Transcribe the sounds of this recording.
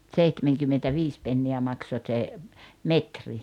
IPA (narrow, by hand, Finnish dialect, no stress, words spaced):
t̆seihtemeŋkymːentæʋiːs penːiæ mɑkso t̆se metri